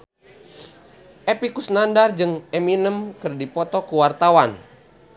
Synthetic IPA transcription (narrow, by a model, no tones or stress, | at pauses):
ʔɛpikusnandard͡ʒɨŋɛminəmkɨrdipɔt̪ɔkuwart̪awan